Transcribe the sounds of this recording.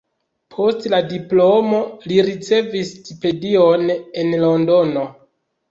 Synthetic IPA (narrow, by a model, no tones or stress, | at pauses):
pʰo̞stladiplo̞mo̞liɾit͡se̞vistʰipe̞dione̞nlo̞ndo̞no̞